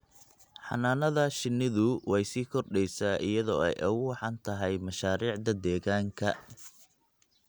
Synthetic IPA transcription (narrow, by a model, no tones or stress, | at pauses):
ħɑ̰naːnɐðɐʃɪnːɪðʊwɛjsiːkʰɔrɖɛjsaːʔɪjɐðɔːɛ̰jʔɐwʊħɑnt̪ʰɐɦɛjmɐʃaːɾiːʕd̪ɐd̪ɛːɣaːŋkʰɐ